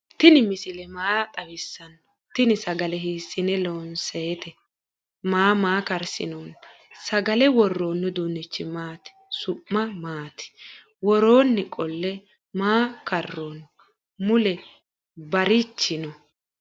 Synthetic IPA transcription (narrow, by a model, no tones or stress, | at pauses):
t̪ɪnɪmɪsɪlɛmaːt̪ʼɐwɪsːɐnː | t̪ɪnɪsɐɡɐlɛɦiːsːɪnɛloːnseːt̪ɛ | maːmaːkɐɾsɪ̰noːn | sɐɡɐlɛwɔrːoːnːɔd̪uːnːɪt͡ʃːɪmaːt̪ɪ̥sʊpːɐmaːt̪ɪ̥ | wɔɾo̞ːnːɪkʼɔlːɛ | maːkɐrːoːn | mʊlɛ | bɐɾɪt͡ʃːɪnɔ